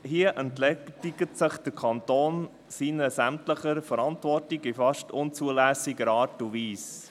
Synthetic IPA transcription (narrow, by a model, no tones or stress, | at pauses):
hiəʔəntlɛiɡətsəχd̥̪əɾkʰɑntoːn | siːnəsæmtləχəɾfəɾɑntʋɔrtiɡifɑʃtʊnt͡suəlæsiɡəɾɑːɾtuʋiːs